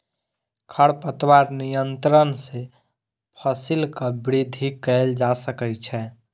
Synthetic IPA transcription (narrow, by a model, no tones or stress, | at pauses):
kʰəɽpət̪waɾnijənt̪ɾənse | pʰəsilkəbɾid̪ʱikəld͡ʒasəkɛt͡ʃʰɛ